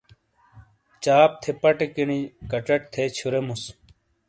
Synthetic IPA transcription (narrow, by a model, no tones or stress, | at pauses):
t͡ɕaːp̚t̪ʰepɐʈekiɽikɐʈ͡ʂɐʈ̚t̪ʰet͡ɕʰuɾemus